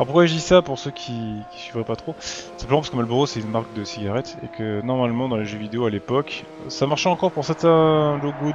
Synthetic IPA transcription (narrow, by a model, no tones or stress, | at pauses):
ɔʁpuʁkwaʒəd̪isapuʁsøkʲʰikʲi̥sɥivʁɛpat̪χosɛ̃pəmɑ̃p̬askəmalbuʁosɛynmaʁkd̪əsiɡʲaʁɛt̪ḛkʰənɔʁmalmɑ̃d̪ɑ̃leʒøvid̪eoalepɔk | samaʁʃɛɑ̃kɔʁpuʁsɛʁt̪ɛ̃loɡo